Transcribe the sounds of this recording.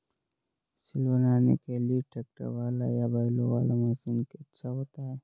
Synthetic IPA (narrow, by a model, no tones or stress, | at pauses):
sɪlbənaːnḛkelieʈeːk̚ʈə̰ɾʋaːlajabaːɪloʋaːlamẽsenkiɐtːʃʰaɦoːt̪aɦɛː